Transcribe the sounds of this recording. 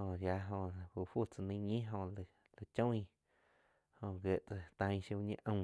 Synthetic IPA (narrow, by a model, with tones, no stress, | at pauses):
õ˧˨ja˧ɦõ˧hu˧˨ʔɸu˦˨t͡sa˧nə̃˧˦ɲĩ˦ɦõ˧˨l | la˧t͡ʃõ˦ĩ˧ | hõ˧˨ɡe˧˨ʔt͡sa˧t̪ã˧j̃ʃu˧u˧ɲḛ̃˧˦ʔə̃˧˨